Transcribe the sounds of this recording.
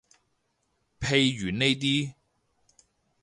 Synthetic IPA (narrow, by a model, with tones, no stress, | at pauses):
pʰe˧jɥyː˨˩nne˥jt̪̬iː˥